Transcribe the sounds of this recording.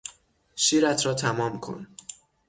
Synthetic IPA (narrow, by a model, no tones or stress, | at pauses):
ʃiːɾæt̪ʰɾɒːt̪ʰæmɒːmkʰo̰n